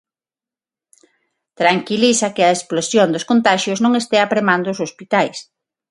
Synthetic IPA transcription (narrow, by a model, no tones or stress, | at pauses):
t̪ɾaŋkilisɐkɪɐesplosjond̪oskont̪aʃjʊznõŋest̪ɛapɾemand̪oːsospit̪ajs